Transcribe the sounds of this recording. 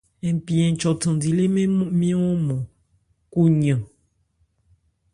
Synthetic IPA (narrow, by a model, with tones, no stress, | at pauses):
ɛ̃˨mpi˨ɛ̃˨t͡ʃɔ˨tə̃˨di˨le˦mẽ˦mĩ˦ɔ̃˦mɔ̃˨ | ku˦ɲã˨